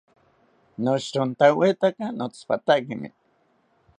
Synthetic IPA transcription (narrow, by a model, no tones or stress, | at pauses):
noʃɾʊnt̪awet̪akanot͡spa̰t̪aʔkimɪ̰